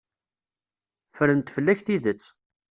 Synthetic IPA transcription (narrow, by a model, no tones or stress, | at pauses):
fəɾənt̪fəlːæçθiðət͡sː